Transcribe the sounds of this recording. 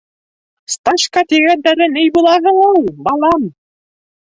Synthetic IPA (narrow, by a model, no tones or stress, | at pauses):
st̪ɑnʃkɑt̪iɡænd̪æɾɘnɘjbulˠɑʁɤ̆llˠbɑlˠɑm